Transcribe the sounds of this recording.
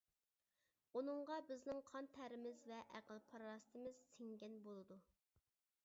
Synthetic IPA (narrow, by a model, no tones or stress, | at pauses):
unɨŋʁɑbɪznɪŋqʰɑnt̪ʰæɾɪmɪzvɛʔæqəlˠpʰɑɾɾɑst̪ʰɪmɪz̥sɪŋɡʲɛnbolˠɨd̪u